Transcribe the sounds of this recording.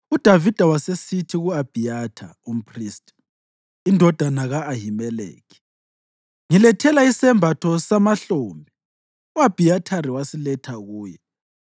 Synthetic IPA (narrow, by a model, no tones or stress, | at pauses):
ud̥ʱavid̥ʱawasesitʰiɣuab̥ʱijatʰaum̩pʰriːstʼ | indʱɔd̥ʱanaɣaːɦimɛlḛːkʰi̥ | ŋilɛtʰɛlaisɛmbʱatʰɔsamaɬoːmbʱi | uab̥ʱijatʰaɾiwasilɛtʰaɣuːjɛ